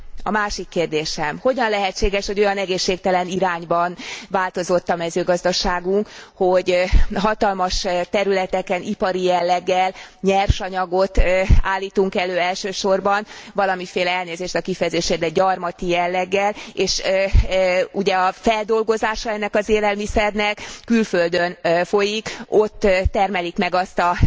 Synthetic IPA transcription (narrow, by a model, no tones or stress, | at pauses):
ɒ̰maːʃikːeːrd̪eːʃɛmho̞ɟɒnlɛɦɛt͡ʃːeːɡɛʃho̞ɟo̞jɒnɛɡeːʃːeːk̚t̪ɛlɛniɾaːɲbɒnvaːlt̪o̞zo̞t̪ːɒmɛzøːɡɒzd̪ɒʃaːɡuŋkho̞ɟɦɒt̪ɒlmɒʃt̪ɛɾylɛt̪ɛkɛnipɒɾijɛlːɛɡːɛlɲɛrʃɒɲɒɡo̞t̪aːlːiːt̪uŋkɛløːɛlʃøːʃo̞rbɒnvɒlɒmifeːlɛɛlneːzeːʃt̪ɒkifɛjɛzeːʃeːd̪ɛɟɒrmɒt̪ijɛlːɛɡːɛleːʃ | uɟɛɒfɛld̪o̞lɡo̞zaːʃɒɛnːɛkɒzeːlɛlmisɛrnɛkːylføld̪ønfo̞jiko̞t̪ːɛrmɛlikmɛɡɒst̪ɒ